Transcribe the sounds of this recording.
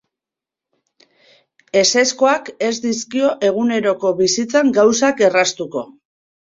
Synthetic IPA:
e̞se̞sko̞ake̞zd̪iskio̞ʔe̞ɣ̞une̞ɾo̞ko̞βisit͡saŋɡawsake̞rast̪uko̞

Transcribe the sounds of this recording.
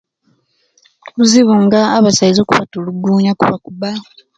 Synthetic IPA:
uziβuŋɡaːβasaizokuβatoluɡuːɲakuβakuba

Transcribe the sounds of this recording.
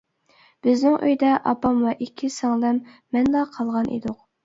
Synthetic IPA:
b̥ɪznɪŋʔø̰jd̪ɛʔɑ̰pɑmwɛʔikʲʰːisɑŋlˠɛmː | ɛnlˠɑqʰɑlˠʁɑnʔḛd̪ʊq̚

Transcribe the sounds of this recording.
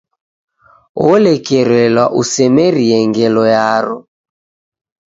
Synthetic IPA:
ɔlɛkɛɾɛlwaʔusɛmɛɾiɛŋɡɛlɔjaɾɔ

